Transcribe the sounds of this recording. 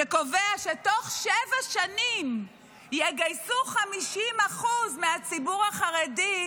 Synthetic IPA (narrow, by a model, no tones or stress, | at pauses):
eko̞veaʃetoχʃevaʃanim | jeɡajsuχamiʃimaχuzmeat͡sibuʁaχaʁedi